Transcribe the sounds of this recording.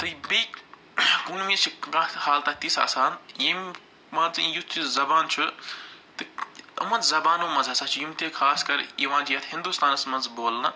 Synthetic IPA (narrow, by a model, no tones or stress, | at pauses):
t̪ɨbiːk | kunmĩt͡ʃʰikãhaːlt̪at̪isa̰ːsaːnjim | mɐnzijut̪ʰiszɐbaːnt͡ʃʰut̪ɨɐ̰mɐnzzɐbaːnõːmɐnzɐsaːt͡ʃʰijumt̪ekʰaːskɐɾiʋãːnd͡ʒijɐt̪ʰhĩnd̪ust̪aːnɐsmɐnzboːlnɐ